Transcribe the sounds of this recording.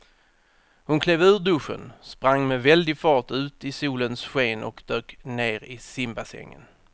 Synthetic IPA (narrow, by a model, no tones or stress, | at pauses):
hʊnkʰleːvʉ̟ːɖ̪ɵʂːə̰nspɾaŋːmɛvɛld̪ɪɡfɑːʈʉ̟ːt̪ɪsuːlənsɧeːnʔɔ̰kd̪øːkneːɾɪsɪmbasɛ̰ŋːə̰n